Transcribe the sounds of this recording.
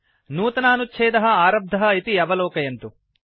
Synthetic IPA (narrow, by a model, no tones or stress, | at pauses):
nuːt̪ɐnaːnutːʃʰeːd̪ɐɦɐaːɾɐb̚d̪ʱɐɦɐit̪iɐʋɐlɔːkɐjɐnt̪u